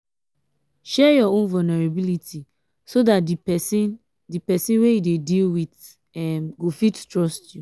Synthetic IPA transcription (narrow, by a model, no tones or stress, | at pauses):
ʃɛjɔõnvɔlnɛɹabilitʰi | sodatdisn | dipɛsĩnwejudedilwit | ɛmɡofittɹɔstju